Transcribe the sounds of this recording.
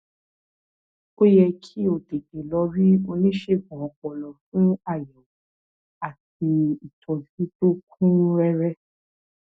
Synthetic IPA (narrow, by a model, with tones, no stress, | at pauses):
o˦jɛ˧kʰi˦o˨de˨de˨lɔ˨˧˦ɾi˦o˧nĩ˦ʃe˦˨ɡũ˨ɔ̃˨k͡pɔ˨lɔ˨fũ˦a˦˨jɛ̃˨˦ | a˦˨ti˧i˨tʰɔ̃˨vi˨˦to˦˨kʰũ˦ɾɛ˧ɾɛ˦